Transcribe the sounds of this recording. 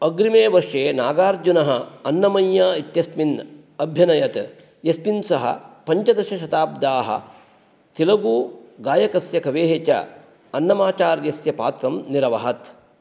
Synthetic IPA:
ɐɡɾimeːʋɐɾʂeːnaːɡaːɾd͡ʒunɐɦɐ̆ɐnːɐmɐjːaːit̪jɐsmin | ɐbʱjɐnɐjɐt̪ | jɐspinsɐɦɐ̰pɐɲt͡ʃɐd̪ɐʃɐʃɐt̪aːb̚d̪aːɦɐ̰ | t̪ilɐɡuːɡaːjɐkɐsjɐkɐʋeːɦet͡ʃɐ̰ | ɐnːɐmaːt͡ʃaːɾjɐsjɐpa̰ːt̪ɾɐmniɾɐʋɐɦɐt̪

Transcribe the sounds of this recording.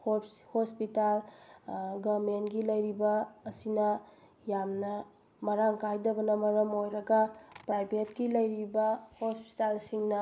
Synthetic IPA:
ho | hospital | ɡɐɾmentɡilɐjɾibɐːsinɐ | jamnɐ | mɐɾaŋkʰajdɐbɐnɐmɐɾɐmojɾɐɡɐpɾajbʱetɡilɐjɾibɐhospi̥talsiŋnɐ

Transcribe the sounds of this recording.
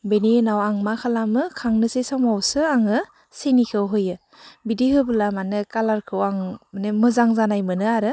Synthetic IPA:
beniɯnawaŋmakʰalamɯkʰaŋnɯsesamawsɯaŋɯ | senikʰɯwɦɯjɯ | bidihɯbɯlamanɯkalaɾkʰɯwaŋanɯmɯzaŋzanajmɯnɯaɾɯ

